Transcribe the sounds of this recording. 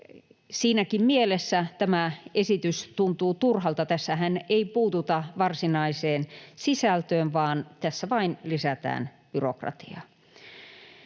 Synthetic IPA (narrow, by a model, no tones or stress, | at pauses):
siːnækimmielesːæt̪æmæesit̪yst̪unt̪uːt̪urhɑlt̪ɑt̪æsːæhæneipuːt̪ut̪ɑʋɑrsinɑiseːnsisælt̪øːnʋɑːnt̪æsːæʋɑinlisæt̪æ̰ːn | b̥yrokrɑ̰t̪iɑ̰